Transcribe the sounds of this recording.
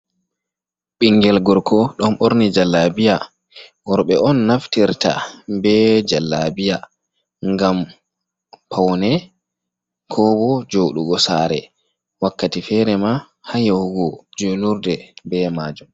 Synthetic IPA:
ɓiŋɡɛlɡɔɾkʰɔɗɔnʔoɾnid͡ʒalːabija | wɔɾɓɛʔɔnːaftiɾta̰bɛd͡ʒalːabija | ŋɡam | pʰawnɛ | kʰɔbɔd͡ʒoːɗuɡɔsaːɾɛ | wakːatifɛɾɛma | hajawɡɔd͡ʒonuɾdɛbɛmad͡ʒum

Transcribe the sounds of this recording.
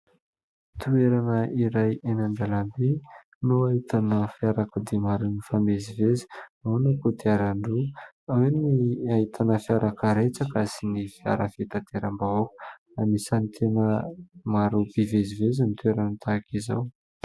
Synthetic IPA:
t̪ueɾanəʔiɾajenand̪alambe | nuaɦit̪anəfiaɾakud̪emaɾunifamezivezi̥aanakud̪eaɾaɳɖ͡ʐu | aweniaɦit̪ʰanəfiaɾʔakəɾet͡sakəsinifia̰ɾafet̪at̪eɾambaoku̥ | anisanit̪ʰenəmaɾubivezivezinit̪ueɾanət̪akiza̰w

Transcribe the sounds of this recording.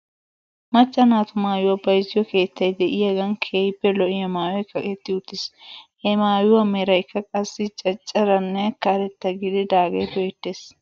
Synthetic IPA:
mɐt͡ʃːɐnaːt̪ʊmaːjʊwɐbɐjzɪjɔke̞ːt̪ːɐjd̪ɛʔɪjɐɡɐnkʰeːjbːɛlɔʔɪjɐmaːjɔɪkːɐʔʼɛt̪ːɪʊt̪ːɪshɛmaːjʊwɐmɛɾɐjɪkːɐkʼɐsːɪt͡ʃʼɐt͡ʃʼːɐɾɐnːɛkːaɾɛt̪ːɐɡɪd̪ɪd̪aːɡɐjt̪ɔjɛt̪ːeːs

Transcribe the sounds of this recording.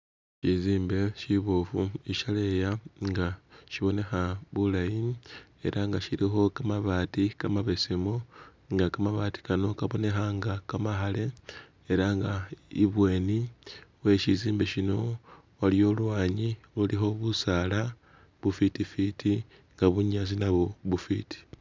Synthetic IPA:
ʃiziːmbe̞ʃiβo̞fuiʃalejaŋɡaʃiβo̞ne̞xaβulajine̞̰ɾʔaŋɡaʃiɾixo̞kamaβaːtikamaβe̞semoŋɡakamaβaːti̥kano̞kaβo̞ne̞xaŋɡakamaxale̞ | eɾaŋɡaiβwe̞ːniwe̞ːʃiziːmbeʃino̞ | waljo̞lwaːɲilulixo̞βusaːla | βufitifitʰi | ŋɡaβuɲazinaβoβufiti̥

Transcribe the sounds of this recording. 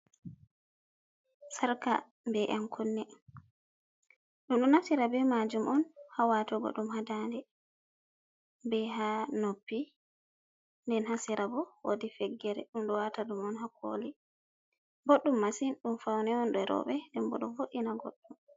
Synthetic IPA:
saɾka̰ | mbɛʔamkʰunːɛ | ɗumɗɔnafsiɾabɛmad͡ʒumʔɔnhawatɔɡɔ̰ɗumhadandɛ | bɛɦanopːi | ndɛnhasiɾʔabɔwodifɛɡːɛɾɛ̰ɗumɗɔwataɗumɔnhakʰo̰ːli | boɗːumːasinɗumfawnɛɔnɗɔɾɔ̰ɓɛndɛmbɔɗɔvoʔinaɡo̰ɗːum

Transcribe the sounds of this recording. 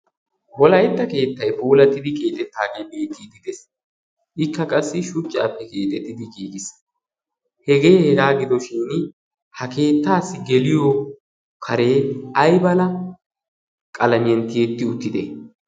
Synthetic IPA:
wɔlɐjɛt̪ːɐke̞ːt̪ːɐjfuːlɐt̪ːɪd̪ɪkʼe̞ːt̪ʼɛt̪ːaːɡe̞jbe̞ːt̪ʰid̪ɪd̪ɛs | ʔɪkːɐkʼɐsːɪʃʊt͡ʃʼːa̰ːpːɛke̞ːt̪ʼɛt̪ːɪd̪ɪɡiːɡɪs | hɛɡeːhɛɡaːɡɪd̪ɔʃɪːn | hɐke̞ːt̪ːaːsːɪɡɛlɪjo | kʰɐɾe̞ːɐjbɐlɐ | kʼɐlɐmɪjɛnt̪ɪjɛt̪ːɪʊt̪ːɪd̪ɛ

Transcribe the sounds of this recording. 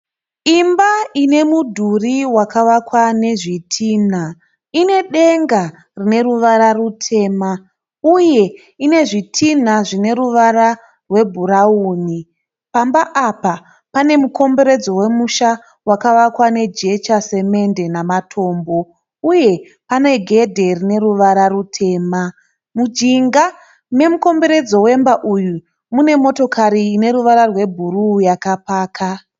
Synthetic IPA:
imbaine̞mudʱuriwakaʋakwane̞ʐitʰiːna | ine̞ɗe̞ŋɡa | rine̞ruʋaɾarutʰe̞ːma | uje̞ | ine̞ʐitʰin̤aʐine̞ɾuʋaɾa | rwe̞bʱuɾauːni | pambaʔːpa | pane̞muko̞mbe̞ɾe̞d͡zo̞we̞muʃa | wakaʋakwane̞d͡ʒe̞t͡ʃase̞me̞nde̞namatʰo̞ːmbo̞ | uje̞ | pane̞ɡʱe̞dʱe̞rine̞ɾuʋaɾarutʰe̞ːma | mud͡ʒiŋɡa | ne̞muko̞mbe̞ɾe̞d͡zo̞wembaʔuju | mune̞mo̞to̞kʰaɾiːne̞ɾuʋaɾarwe̞bʱurujakapaːkʰa

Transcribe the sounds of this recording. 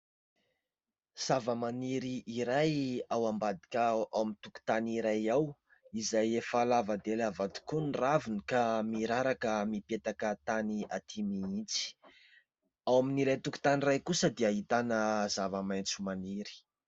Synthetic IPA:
z̥avəmaniɾiʔːɾajawambad̪ikʲaawmint̪uku̥t̪aniɾajaw | izajefalavad̪elavad̪u̥kunravinikamiɾaɾakəmipet̪akət̪aniat̪ʰimiint͡si̥ | awaminiɾajt̪uku̥t̪anirajkusəd̪eaɦit̪anəzavəmajnt͡sumaniɾi̥

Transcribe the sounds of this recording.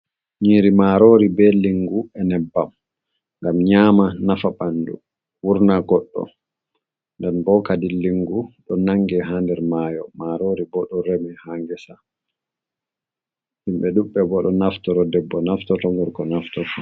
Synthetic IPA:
ɲiɾimaɾoːɾibɛliŋɡuɛnɛbːam | ŋɡamɲaːmanafaɓandṵ | wuɾnaɡɔɗːɔ̰ | ndɛnbɔkadilːiŋɡuɗɔnaŋɡɛɦandɛɾmaːjɔmaɾoɾibɔɗɔɾɛmɛhaŋɡɛsa | himbɛɗuɓːɛbɔɗɔnaftɔɾɔdɛbːɔnaftɔtɔŋɡɔɾkɔnaftɔtɔ

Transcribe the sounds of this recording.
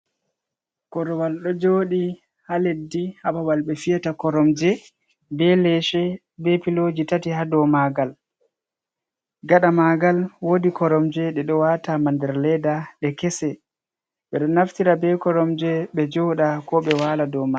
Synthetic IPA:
kɔɾɔwalɗɔd͡ʒoːɗi | haledːihabawalɓɛfijatakɔɾɔmd͡ʒɛ | bɛlɛʃɛ | bɛpilod͡ʒitatihadɔmaɡal | ɡaɗamaɡalwodikɔɾɔmd͡ʒɛɗɛɗɔwatamandɛɾlɛdaɗɛkɛsɛ | ɓɛɗɔnːaftiɾabɛkɔɾɔmd͡ʒɛɓɛd͡ʒɔɗakɔɓɛwaladɔma

